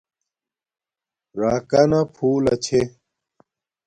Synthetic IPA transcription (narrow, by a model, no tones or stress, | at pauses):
ɾaːkɐnɐpʰuːlɐt͡ɕʰe